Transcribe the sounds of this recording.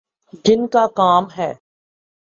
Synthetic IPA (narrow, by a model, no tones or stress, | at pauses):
d͡ʒɪnkakaːmɦɛː